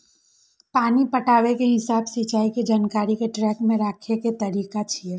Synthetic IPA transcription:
paːnipɐʈaːʋekeɦɪsaːbsit͡ʃaːiked͡ʒaːnkaːɾikeʈɾɛːkmẽɾaːkʰeket̪ɐɾiːkat͡ʃʰie

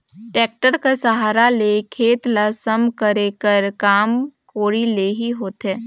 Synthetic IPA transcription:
ʈɛːk̚ʈəɾkasəɦaːɾalekʰeːt̪ləsəmkəɾekəɾkaːmkoːɽileɦiɦoːt̪eː

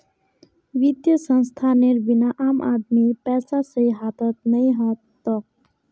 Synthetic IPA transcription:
ʋid̪jəsə̃nst̪ʰaneɾbinaʔaːmʔa̰d̪mipɛːsasəiɦaːt̪ət̪̚nəɦĩɦɔ̃t̪ː | ɔk̚

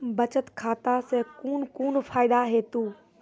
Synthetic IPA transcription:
bɐt͡ɕət̪kʰaːt̪aseːkuːnkuːnfʰaːɪɗ̪aɦeːt̪uː

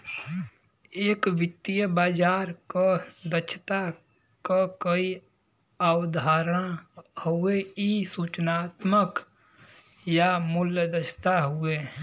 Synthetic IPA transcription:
eːkʋɪt̪ːijəbaːd͡ʒaːɾkad̪ət͡ʃʰt̪a | kakəi | əwd̪ʱaːɾəɽ̃hueisuːt͡ʃnaːt̪mək | jamʊljəd̪ət͡ʃʰt̪aɦʊe

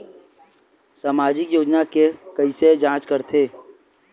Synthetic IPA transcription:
saːmaːd͡ʒɪkjoːd͡ʒnakekəised͡ʒãːt͡ʃkəɾt̪ʰeː

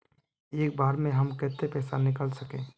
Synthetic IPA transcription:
eːk̚baːɾmẽɦəmkɛːt̪epɛːsanɪkəlsəkẽː

